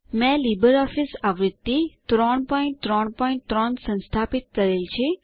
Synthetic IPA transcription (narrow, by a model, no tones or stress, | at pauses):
mɛ̃libəɾɔfisaʋɾɪd̪ːit̪ɾɔɳpɔiɳʈt̪ɾɔɳpɔĩɳʈt̪ɾɔɳsə̃nst̪ʰapit̪̚kəɾelt͡ʃʰe